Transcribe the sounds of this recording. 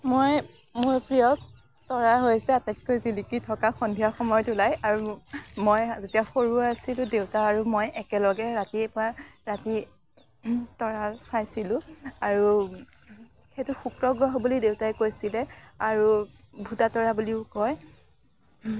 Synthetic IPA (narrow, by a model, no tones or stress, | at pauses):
moj | mʊɹpɹijɔs | tɔɹaɦojsɛatɛt̚kojzilikitʰɔkaxɔndʱijaɹxɔmɔjɔtulajaɹumojzetijaxoɹuaasilʊ̃dewtaaɹumojʔɛkɛlɔɡɛɹatiɛpɔaɹati | tɔɹasajsilʊ̃aɹu | xetʊxukɹɔɡɹɔɦɔbulidewtaɛkojsilɛaɹu | bʱutatɔɹabuliʊkɔj